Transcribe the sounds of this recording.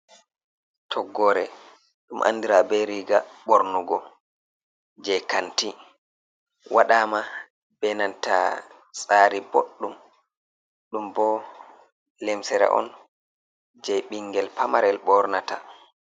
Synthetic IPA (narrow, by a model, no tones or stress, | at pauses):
tʰɔɡːɔɾɛ | ɗumʔa̰ndiɾabɛɾiɡaɓoɾnuɡɔ | d͡ʒɛjkanti | wʔaɗaːma | bɛnanta̰ | sʼaːɾiboɗːum | ɗumbɔ | lɛmsɛɾɛ̰ʔɔ̰n | d͡ʒɛɓiŋɡɛlpamaɾɛlɓɔɾnata